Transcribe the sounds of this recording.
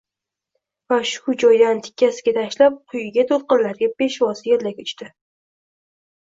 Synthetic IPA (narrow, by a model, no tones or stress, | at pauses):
vaʃʊd͡ʒɒjd̪ant̪ʰɪ̥kʲʰːasɪ̥ɡʲat̪ʰaʃlap̚qʰʊjɪɡʲat̪ʰolqɨnlaɾɡʲab̥e̞ʃvɒsɪjeɾlakʲʊt͡ʃt̪ɪ